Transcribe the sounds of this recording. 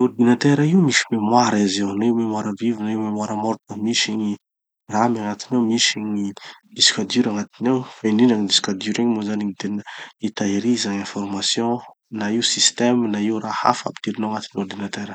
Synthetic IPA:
urd̪inat̪eɾaiumisi̥memwaɾiziwnaiwmemwaɾəvivinaiwmemwaɾəmɔɾt̪əmiʃiɲi | ramaŋat̪inewmiʃiɲid̪̥isi̥kʲad̪uɾaŋat̪inewfeninaŋid̪isi̥kʲad̪uɾeɲmozaniɲit̪enəit̪aiɾizaɲẽfɔrmasjõ | naiwsist̪emnaiwraha̰fa̰pi̥t̪iɾinoaŋat̪inord̪inat̪eɾə

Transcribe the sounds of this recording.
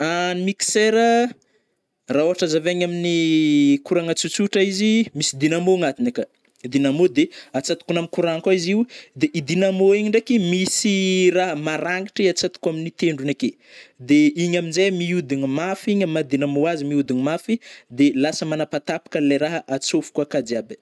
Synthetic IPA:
animiki̥seɾə | raoɦaʈ͡ʂazavaɲaminikuɾaŋat͡sut͡suʈ͡ʂaizimisid̪inamoŋat̪inekə | id̪inamod̪eat͡sat̪u̥kunaminkuɾaŋkaiziwd̪eʔid̪inamoiɲiɳɖ͡ʐekimisiɾaɦəmaɾaŋɡi̥ʈ͡ʂiat͡sat̪u̥kuaminit̪eɳɖ͡ʐuneke | d̪eiɲaminzejmiud̪iɲimafiɲamad̪inamoazimiud̪inimafid̪elasəmanapat̪apḁkəlajɾaɦəʔat͡sofu̥kakad̪iabə̥

